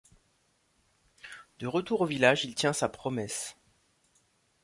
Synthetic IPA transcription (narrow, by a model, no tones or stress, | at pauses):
d̪̥əʁət̪uʁovilaʒilt̪jɛ̃sapχɔmɛs